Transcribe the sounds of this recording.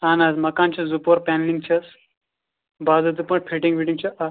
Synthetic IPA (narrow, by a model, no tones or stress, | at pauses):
aːnɐːzmɐkãːnt͡ʃʰɐzupoːɾpɛːnliŋɡ̚t͡ʃʰɐs | baːzɐt̪̬upɐ̃ʈ̚pʰiʈĩŋɡpʰiʈĩŋɡt͡ʃʰɐʔɐ